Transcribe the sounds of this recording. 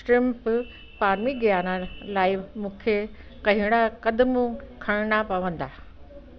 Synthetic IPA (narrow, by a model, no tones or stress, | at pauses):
sʈɾɪmp | paːɾmiɡjaːnalaːɪmũːkʰe | kɐɦɪɽ̃akɐd̪mukʰɐɽ̃napɐʋə̃nd̪aː